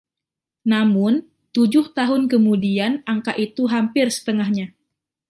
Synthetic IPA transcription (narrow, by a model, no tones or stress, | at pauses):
namʊn | t̪ud͡ʒʊht̪aɦʊnkəmudianʔaŋkaʔit̪uɦampɪrsə̥t̪əŋahɲa